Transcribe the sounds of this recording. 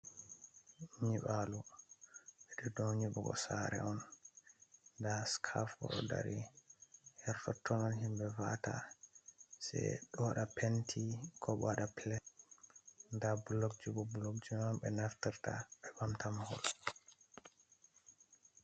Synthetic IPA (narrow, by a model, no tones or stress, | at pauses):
ɲiɓalu | ɓɛɗɔdoɲibɔɡɔ̰saɾɛ̰ɔn | ndaskʰafɔ̰ɗɔda̰ɾi | hɛɾfɔtʰːɔnɔnhimbɛvata̰ | sɛ̰ɗɔɗapentʰikʰɔɓaɗaplɛ | ndabulːok̚d͡ʒubɔbulokd͡ʒumambɛnaftiɾta̰ɓɛbamtamahɔ̰l